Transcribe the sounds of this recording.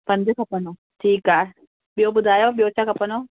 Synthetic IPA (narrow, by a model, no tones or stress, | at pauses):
pɐ̃ɲd͡ʒekʰɐpəno | ʈʰiːkaː | ɓjoːbʊd̪ʱaːjoɓijoːt͡ʃakɐpənoː